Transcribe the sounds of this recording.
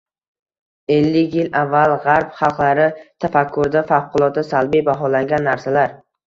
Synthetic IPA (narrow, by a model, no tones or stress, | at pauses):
e̞lːɪkʲjɪlavːalˠʁaɾpχɑlˠqlˠaɾɪt̪ʰafakʰːʊɾd̪afafqʰʊlˠɒt̪̚d̪asalbijbaɦɒlaŋɡʲanːaɾsalaɾ